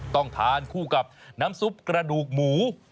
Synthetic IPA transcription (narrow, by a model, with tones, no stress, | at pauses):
t̪ɔ˥˩ŋt̪ʰaː˨˧nkʰuː˥˩ka˨˩p̚naː˦˥msu˦˥p̚kɾa˧duː˨˩k̚muː˩˦